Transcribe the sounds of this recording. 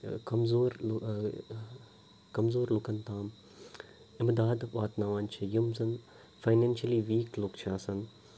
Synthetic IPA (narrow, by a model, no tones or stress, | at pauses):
kɐmzoːɾ | kɐmzoːɾlʊkənt̪ãːm | ɪmd̪aːd̪ʋaːt̪naːʋaːnt͡ʃʰijɐmzɐn | faɪnẽːnʃɐliʋiːkloːkt͡ʃʰaːsɐn